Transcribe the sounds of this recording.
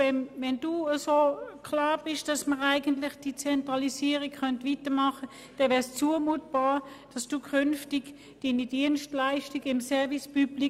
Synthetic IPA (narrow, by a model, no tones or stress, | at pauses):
ɛnvɛnduːəsoːkʰlɑːb̥ɪʃd̥ɑsməʁaɪɡəntlɪχd̥it͡sɛntʁɑlisiːəʁikχœntʋitəmɑχə | d̥ɛvɛːɐst͡suːəmuːt̚b̥ɑː | d̥ɑsd̥uːkʰʏnftɪɡ | d̥iːnid̥iənstlaɪʃtiɡɪmsɛɐvispybli